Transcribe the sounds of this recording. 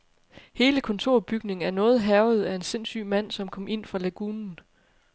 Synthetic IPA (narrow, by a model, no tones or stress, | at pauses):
he̝ːləkʰɒ̽nt͡sʰo̝ɐ̰b̥yɡ̥ne̝ŋ̩æɐnɔ̽ːð̞̩ˠɦæʊð̞̩ˠæe̝nse̝n̰sy̰ːmæn̰sɒ̽mkʰɒ̽m̰ʔe̝n̰fʁɑ̈læɡ̥uːnn̩